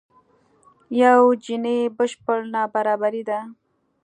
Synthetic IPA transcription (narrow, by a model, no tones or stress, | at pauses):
jawd͡ʒinebəʃpəɽnɑbaɾɑbaɾid̪a